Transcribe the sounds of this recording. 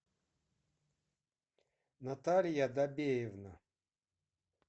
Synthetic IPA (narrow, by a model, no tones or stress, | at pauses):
nat̪alʲjad̪abʲejevna